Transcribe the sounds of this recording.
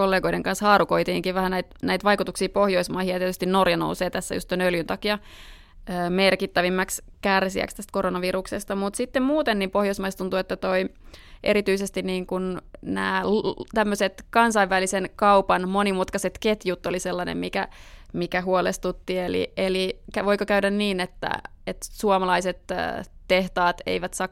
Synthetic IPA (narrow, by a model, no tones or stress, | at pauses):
kolːeːɡoideŋkɑnshɑːɾukoit̪ḭːŋkiʋʋæhænæit̪næit̪ʋɑikut̪uksiːpohjoismɑihijɑt̪iet̪yst̪innorjɑno̰useːt̪æsːæ̰jṵst̪ːoinøljynt̪ɑkiɑ | əmerkit̪ːæʋimːæks | kærsiæ̰kst̪æst̪̚koronɑʋiruksest̪ɑmut̪sit̪ːemmuːt̪enːiːmpohjoismɑist̪unt̪uet̪ːæt̪oiʔḛɾit̪yisest̪inniːŋkunnæ̰ːt̪æmːøset̪kɑnsɑiʋʋælisenkɑupɑnmonimut̪kɑset̪ket̪jut̪ːoliselːɑnḛmmikæ̰mikæɦuolest̪ut̪ːielḭelikæʋoikokæydænniːnet̪ːæ̰et̪suɑomɑlɑiset̪ːt̪eht̪ɑːt̪ḛiʋæt̪sɑk